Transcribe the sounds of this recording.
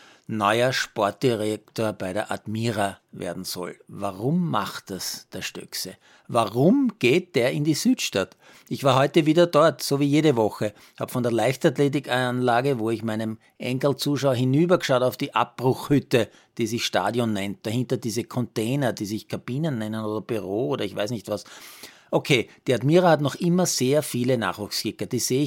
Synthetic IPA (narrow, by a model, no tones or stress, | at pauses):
nɔʏɐʃpɔɐt̚d̥iʁektoːɐbæɪdḛɐʔa̰tmiːʁavḛːɐdn̩z̥ɔ̰lvaʁʊmːa̰χt̚asd̥eːɐʃtœ̰ksə | vaʁʊmɡ̥eːt̚d̥eːɐɪndizyːtʃtat | ʔɪçv̥aːɐɦɔʏtəviːdɐdɔɐtsoːviːjeːɾəvɔxə | ha̰ːbfɔndeːɐlæɪçstatleːt̬ɪkanlaːɡəvoːɪçmæɪnəm | ʔɛ̰ŋkl̩t͡suːʃaʊɐhɪnyːbɐɡʃɑʊtaʊd̥iːʔa̰p̚b̥ʁʊxhʏtə | d̥iːzɪçʃta̰ːdjɔnːɛnt̚d̥ahɪ̃ntɐdiːzəkʰɔnteːnɐdiːsɪçkʰab̥iːnənːɛnənoːdɐb̥yʁoːoːɾɐɪçvæɪsnɪçtvas | ʔokʰeːd̥iatmiːʁəhatnɔχʔɪmɐz̥eːɐfiːləna̰ːχvuːxskɪkːəd̥iːz̥eːɪ